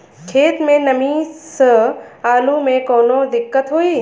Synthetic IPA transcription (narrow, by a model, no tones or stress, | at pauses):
kʰeːt̪mẽnɐmĩsəaːlumẽkoːnod̪ɪkːət̪ɦoːiː